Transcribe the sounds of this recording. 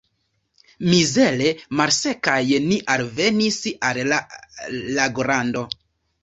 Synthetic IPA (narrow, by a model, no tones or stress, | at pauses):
mizelemaɾse̞kajniʔalvenisala | laɡoɾando̞